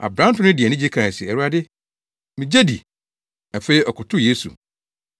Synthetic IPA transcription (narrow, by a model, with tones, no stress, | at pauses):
a̰˨bɾã˦n˦tʊ̃˦nɪ̃˦dɪ˨ɛ˨nɪ̃˦d͡ʑi˦kʰã˨sɪ˨ɛ˨ɾu˦a˦dɪ˦ | mĩ˨d͡ʑe˦dḭ˨ | æ˨fe˦i˦ɔ˨kʰʊ˨tʰʊ˦je˦sṵ˨